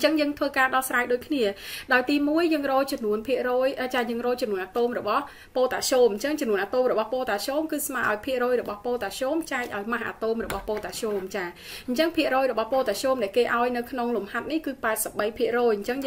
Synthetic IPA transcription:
t͡ɕəŋjəːŋt̪ʰʋəːkaːɗɑhsraːjɗoːc̚kʰniəɗaɔjt̪iːmuəjːəːŋrɔːlt͡ɕɔmnuənpʰiəʔrɔːjʔəːt͡ɕaːjəːŋrɔːlt͡ɕɔmnuənʔat̪oːmrɔɓɑh | poːt̪aːɕoːmɲt͡ɕəŋt͡ɕɔmnuənʔaːt̪oːmrɔɓɑhpoːt̪aːɕoːmkɨːsmaːʔaɔjpʰiəʔrɔːjrɔɓɑhpoːlt̪aːɕoːmt͡ɕaɛk̚ʔaɔjmaɦʔa̰ːt̪oːmrɔɓɑhpoːt̪aːɕoːmt͡ɕaː | ɲt͡ɕəŋpʰiəʔrɔːjrɔɓɑhpoːt̪aːɕoːmɗaɛlkeːʔaɔjnɨwkʰnoŋlumhat̪̚nihkɨːpaɛt̪̚səp̚ɓəjpʰiəʔrɔːjɲt͡ɕəŋ

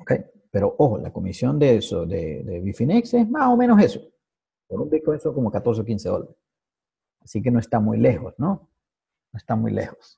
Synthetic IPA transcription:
okḛj | pe̞ɾoʔoxola̰ko̞misjo̞nd̪esod̪ḛd̪ḛβifineksesmaso̞mẽnoseso̥ | peɾumbikoesoŋko̞mokat̪oɾs̬eok̬inseðo̰laɾess | asikenoe̞st̪amṵjlexosno | noest̪amṵjlḛxos

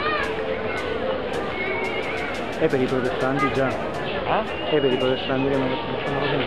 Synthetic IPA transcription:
ɛpeɾipɾot̪est̪ant̪id͡ʒa | ɛpeɾipɾɔt̪est̪ant̪iɾɛman | sonakɔsin

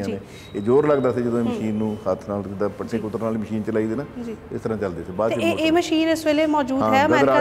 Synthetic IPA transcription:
ãːneː | eːd͡ʒoːɾləɡd̪aːsed͡ʒəd̪õːeːməʃiːnːũːhət̪ʰnaːld̪aːpəʈːẽːkʊt̪ːəɾnaːliːməʃiːnt͡ʃəlaːiːd̪eːnaːd͡ʒiɪ̰st̪əɾãːt͡ʃəld̪eːseːbaːd̪eeːməʃiːnɪsʋeːleːmɔːd͡ʒuːd̪ːɦɛːəmɛːɾɾa

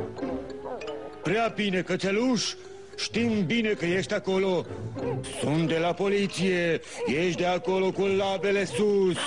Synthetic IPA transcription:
pɾeabine̞kət̪eluʃ | ʃt̪imbine̞kəjeʃt̪ʲako̞lo̞ | sunt̪̚d̪e̞lapo̞lit̪sije | jeʃt̪̚d̪eako̞lo̞kulabe̞le̞sus

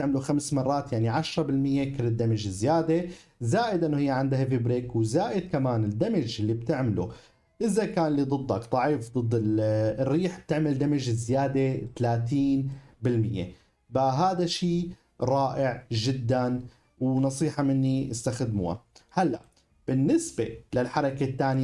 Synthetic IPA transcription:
ɪʕmluxamsmɑrˤːɑːt̪jaʕniʕaʃɾˤɑbɪlmɪjːekɪlːɪd̪ːamɪd͡ʒɪzːɪjaːd̪ezaːʔɪd̪ʔɪnːohɪjːeʕand̪ahefibɾiːkwzaːʔɪd̪̚kamaːnɪd̪ːamɪd͡ʒɪlːib̚t̪ɪʕmɪlṵ | ʔɪzakaːnlːid̪ˤɨd̪ˤːɑkt̪ˤɑʕiːfd̪ˤɨd̪ˤːɪrːiːħb̥̚t̪ɪʕmɪld̪ːamɪd͡ʒɪzːɪjaːd̪et̪alaːt̪iːnbɪlmɪjːḛ | baɦaːd̪aʃiː | ɾˤɑːʔɪʕʒɪd̪ːan | wnɑsˤiːħɑmɪnːiʔɪst̪axd̪mṵːa̰halːa̰ʔ | b̥ɪnːɪsbḛlɪlħɑɾˤɑket̪ːaːn

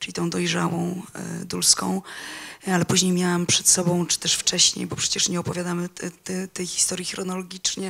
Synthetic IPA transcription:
t͡ʂɨlʲit̪ɔ̃w̃d̪ɔjʐa̰wɔ̃w̃d̪ulskɔ̰̃w̃ | alɛpuʑɲejmʲjawampʂɛt̪sɔbɔ̃w̃t͡ʂɨ̥t̪ɛʂft͡ʂɛɕɲḛjbɔpʂɛt͡ɕɛʂɲɛɔpɔvʲjad̪amɘt̪ɛt̪ɛjxʲi̥st̪ɔɾʲjixɾɔnɔlɔɡʲit͡ʂɲɛ

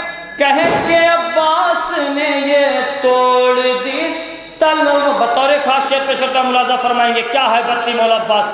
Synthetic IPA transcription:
kɛɦẽkeɐbaːsnejet̪oːɽd̪iː | t̪ɐloːɡbɐt̪ɔːɾekʰaːsʃeːəɾ̚peːʃkɐɾt̪eamʊlaːzafɐɾmaːẽːŋɡekjaːɦɛjbət̪ːimɔːlaːbaːs

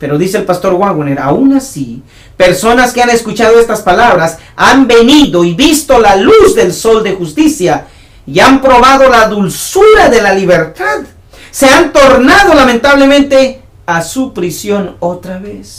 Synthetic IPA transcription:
pe̞ɾo̞ðiseːlpast̪o̞ɾɣwaɣweneɾa̰unasi | pe̞ɾso̞naskeane̞skut͡ʃað̞oest̪aspalaβɾas | ambe̞niðoiβist̪olaluzd̪e̞lso̞ld̪e̞xust̪isja | iampɾo̞βaðo̞laðulsuɾaðe̞laliβeɾt̪að | se̞ant̪o̞ɾnað̞o̞lamẽ̞nt̪aβle̞mẽnt̪e | asupɾisjo̞not̪ɾaβes

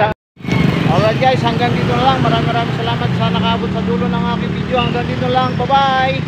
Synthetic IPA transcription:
a | aland͡ʒaisaŋɡaŋdinulaŋmaɾamaɾamisəlamat̪̚sanakabʊt̪̚sad̪uɾʊnaɦakibid͡ʒoaŋɡaŋdinulaŋbabai

